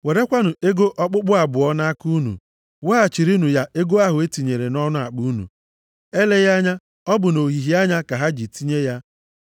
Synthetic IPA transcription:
we˨ɾe˦kʷa˦nʊ˨e˦ɡo˦ʔɔ˦k͡pʊ˦k͡pʊ˦a˨bʊ˨ɔ˦na˦ku˦nṵ˨ | wa˦a˨t͡ʃi˨ɾi˦nu˨ja˦ʔe˦ɡo˦a˦ɦʊ˨e˦ti˨ɲe˨ɾe˨nɔ˦nʊ˦a̰˨k͡pu˦nṵ˨ | e˦le˦ja˦ɲa˦ | ɔ˦bʊ˨no˨ɦi˨ɦi˦a˦ɲa˦ka˨ɦa˦d͡ʒi˨ti˦ɲe˦ja˦

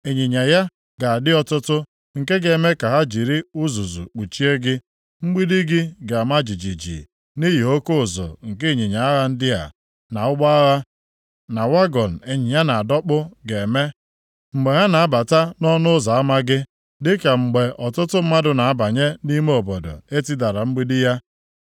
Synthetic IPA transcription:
e˨ɲi˨ɲa˨ja˦ | ɡa˨a˨dɪ˦ɔ˦tʊ˦tʊ˦ | ŋ̩˨ke˦ɡe˨me˦ka˨ɦa˦d͡ʒi˨ɾi˦ʊ˦zu˨zṵ˨k͡pu˨t͡ʃi˦e˦ɡɪ˦ | ŋ͡m̩˦ɡ͡bi˦di˦ɡɪ˦ɡa˨a˨ma˦d͡ʒi˨d͡ʒi˨d͡ʒḭ˨ | ni˦ɦi˨o˦ko˦ʊ˨zɔ̰˨ŋ̩˨kɪ˦˨ɲi˨ɲa˨a˦ɣa˦n̩˦dɪ˦ɦa̰˨ | na˨ʊ˦ɡ͡ba˦a˦ɣa˦ | na˨wa˦ɡɔ˨n̩˨e˨ɲɪ˨ɲa˦na˨a˨dɔ˦k͡pʊ˦ɡe˨me˦ | ŋ͡m̩˨ɡ͡be˨ɦa˦na˨a˦ba˨ta˦nɔ˦nʊ˦za˨a˦ma˦ɡɪ˦ | dɪ˦ka˨ŋ͡m̩˨ɡ͡be˨ʔɔ˨tʊ˦tʊ˦m̩˦ma˦dʊ˨na˨a˦ba˨ɲe˦ni˦me˦o˨bɔ˨dʊ̰˨e˦ti˦da˨ɾa˨ŋ͡m̩˦ɡ͡bi˦di˦ja˦

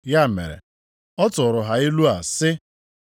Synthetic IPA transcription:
ja˦˨mḛ˨ɾḛ˨ | ɔ˦tʊ˨ɾʊ˨ɦa˨ɪ˦lu˦a˨sɪ˦

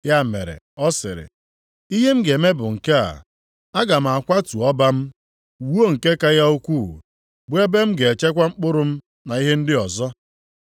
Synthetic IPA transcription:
ja˦˨mḛ˨ɾḛ˨ | ɔ˦sɪ̰˨ɾɪ̰˨ | i˦ɦe˦m̩˦ɡe˨me˦bʊ˨ŋ̩˨ke˦a̰˨ | a˦ɡa˨m̩˨a˨kʷa˦tu˨ɔ˦ba˦m̩˦˨ | wo˦˨ŋ̩˨ke˦ka˦ja˦u˦kʷu˦˨ | bwe˦be˦m̩˦ɡe˨e˨t͡ʃe˦kʷa˦ŋ͡m̩˦k͡pʊ˦ɾʊ˦m̩˦ | na˨i˦ɦe˦n̩˦dɪ˦ɔ˨zɔ˦

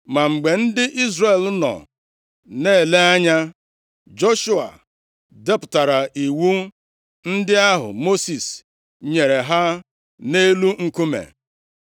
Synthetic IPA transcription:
ma˨ŋ͡m̩˨ɡ͡be˨n̩˦dɪ˦ʔi˦zre˨lnɔ̰˨ | ne˦˨le˦a˦ɲa˦ | d͡ʒo˦ʃu˦a̰˨ | de˦pʊ̥˨ta˨ɾa˨ʔi˨wu˦ | n̩˦dɪ˦a˦ɦʊ̰˨mo˦si˨s | ɲe˨ɾe˨ɦa˦ | ne˦lu˦ŋ̩˨ku˦mḛ˨

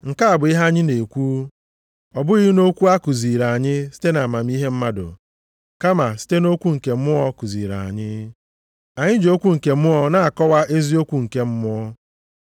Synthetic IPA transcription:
ŋ̩˨ka˦a˨bʊ˨i˦ɦa˦ɲɪ˦ne˨kʷuː˦ | ɔ˨bʊ˦i˦i˦no˦kʷu˦a˦ku˨zi˨ɾa˨a˨ɲɪ˦si̥˦te˦na˨ma˨m̩˦i˦ɦe˦m̩˦ma˦dʊ̰˨ | ka˦ma˨si̥˦te˦no˦kʷu˦ŋ̩˨ke˨˦mʊ˦ɔ˦ku˨zi˨ɾa̰˨a̰˨ɲɪ˦ | a˨ɲɪ˦d͡ʒo˦kʷu˦ŋ̩˨ke˨m̩˦ʊ˦ɔ˦na˨a˨kɔ˦wa˦ʔe˦zi˦o˦kʷu˦ŋ̩˨ke˦m̩˦mʊ˦ɔ˦

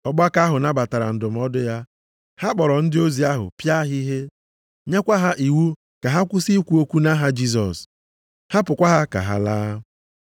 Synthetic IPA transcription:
ɔ˨ɡ͡ba˦ka˦ɦʊ˨na˦ba˨ta˨ɾa̰˨n̩˨dʊ˨m̩˨˦ɔ˦dʊ˦ja˦ | ha˦k͡pɔ˨ɾɔ˨n̩˦dɪ˦o˦zi˨a˦ɦʊ̰˨pja˦ɦi˦ɦe˦ | ɲe˦kʷa˦ɦa˦ʔi˨wu˦ | ka˨ɦa˦kʷʊ˦si˦kʷu˦o˦kʷu˦na˦ɦa˦d͡ʒi˦s̬ɔ̰˨s | ha˦pʊ˨kʷa˦ɦa˦ka̰˨ɦa̰˨laː˦

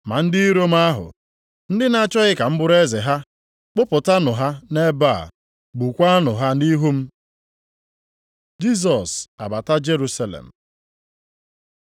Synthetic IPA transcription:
ma˨n̩˦dɪ˦ɾo˦m̩˦a˦ɦʊ̰˨ | n̩˦dɪ˦na˨t͡ʃɔ˦ɣɪ˦ka˨m̩˦bʊ˦ɾe˦ze˨ɦa˦ | k͡pʊ˦pʊ˨ta˦nʊ˨ɦa˦ne˦baː˦˨ | ɡ͡bu˨kʷa˦nʊ˨ɦa˦i˦ɦu˦m̩˦ | d͡ʒi˦s̬ɔ˨sa̰˨ba˨ta˦d͡ʒe˦ɾu˦sa˨lḛ˨m̩˨

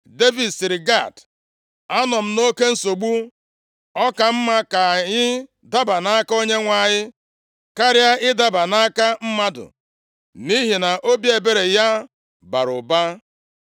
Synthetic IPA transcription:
de˦vi˨dsi˨ɾɪ˨ɡa˦˨t | a˦nɔ˨m̩˨no˦ke˦n̩˦so˨ɡ͡bu˦ | ɔ˦ka˨m̩˦ma˦ka˨ɲɪ˦ | da˦ba˨na˦a˦ka˦o˦ɲe˦ŋʷa˨ɲɪ˦ | ka˦ɾɪ˦a˦ʔɪ˦da˦ba˨na˦ka˦m̩˦ma˦dʊ̰˨ | ni˦ɦi˨na˨ʔo˦bje˨be˦ɾe˨ja˦ | ba̰˨ɾʊ̰˨ba˦

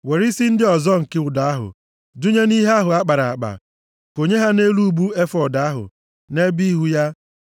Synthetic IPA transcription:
we˨ɾi˦si˦n̩˦dɪ˦ɔ˨zɔ˦ŋ̩˨kɪ˦ʊ˨da˨a˦ɦʊ̰˨ | du˦ɲe˦ni˦ɦe˦a˦ɦʊ˨a˦k͡pa˨ɾa˨a̰˨k͡pa̰˨ | ko˨ɲe˦ɦa˦ne˦lu˦˨bu˦e˦fɔ˨da˨a˦ɦʊ̰˨ | ne˦bi˦ɦu˦ja˦

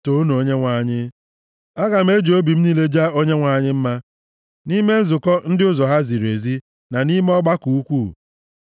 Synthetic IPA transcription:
to˦no˨o˦ɲe˦ŋʷa˨ɲɪ˦ | a˦ɣa˨m̩˦e˦d͡ʒo˦bi˨m̩˦niː˦le˦d͡ʒa˦o˦ɲe˦ŋʷa˨ɲɪ˦m̩˦ma˦ | ni˦me˦n̩˦zʊ˨kɔ˦n̩˦dɪ˦ʊ˦zɔ˨ɦa˦zi˨ɾe˨zi˦ | na˨ni˦me˦ɔ˦ɡ͡ba˦ku˨u˦kʷu˦˨

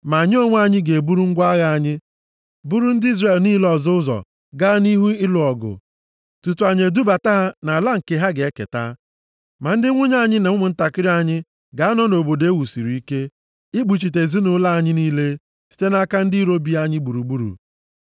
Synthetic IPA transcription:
ma˨ɲɪ˦o˦ŋʷ˦a˦ɲɪ˦ɡe˨bu˦ɾu˦ŋ̩˦ɡʷa˦ɣa˦a˨ɲɪ˦ | bu˦ɾu˦n̩˦di˦zɾe˨lni˦lɔ˨zo˦ʊ˦zɔ̰˨ | ɡa˦ni˦ɦu˦ɪ˦lʊ˨ɔ˨ɡʊ̰˨ | tu˨tu˨a˨ɲe˨du˦ba˨ta˦ɦa˦na˨la˦ŋ̩˨ke˨ɦa˦ɡe˨e˦kḛ˨ta̰˦ | ma˨n̩˦dɪ˦ŋʷʊ˦ɲ˦a˦˨ɲɪ˦ne˨˦mʷʊ˨n̩˦ta˨kɪ˦ɾi˦a˦ɲɪ˦ | ɡa˨a˦nɔ˦no˨bo˨de˦wu˨si˨ɾu˨i˦ke˦ | ɪ˦ɡ͡bu˨t͡ʃi˨te˨zi˦nʊ˦la˦a˨ɲɪ˦niː˦le˦ | si̥˦te˦na˦ka˦n̩˦di˦ɾo˦bi˦a˦ɲɪ˦ɡ͡bu˨ɾu˨ɡ͡bu˦ɾṵ˨

